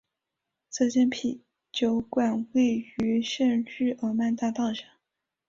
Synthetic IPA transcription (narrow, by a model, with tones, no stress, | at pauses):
t͡sɤ˥˧ɕjɛ˥npʰi˨˩˦ | t͡ɕjo˧˥ʊkwa˨˩nwe˥˩ɪy˧˥ʂə˥˧nɻɻ̩˥˩ʔə˧˥ma˥˧nt̪a˥˧t̪ɑ˥˩ʊŋʂə˨˩˦